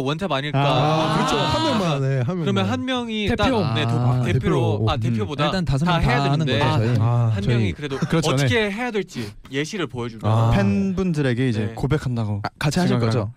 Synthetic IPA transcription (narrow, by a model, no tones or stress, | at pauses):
wʌnt͡ɕʰamaɲiɭk͈akɯɾʌt͡ɕʰohanmjʌŋmaneɦanmjɯɾʌmjʌnɦanmjʌŋite̞tʰjonetoeepʰooate̞pʰjobodaiɭt͈antas̬ʰɯataejaenɯŋdeɡʌʌohant͡ɕmŋikɯɾe̞dokɯɾʌt͡ɕʌtoneeɦe̞jadeɭt͡ɕ͈i | je̞ɕʰiɾɯɭpojʌd͡ʑunapʰe̞nbundɯɾe̞ɡe̞id͡ʑe̞kobe̞kʰandaɡokat͡ɕʰiaɕʰik͈ɡʌd͡ʑo